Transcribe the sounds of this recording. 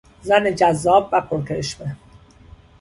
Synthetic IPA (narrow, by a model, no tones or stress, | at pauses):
zæned͡ʒæzːɒːb̚væpʰoɾkʰeʃme